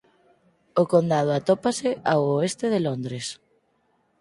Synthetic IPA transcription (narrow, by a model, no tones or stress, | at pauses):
ʊkond̪að̞ʊat̪opasɪʔawoest̪ɪðelond̪ɾes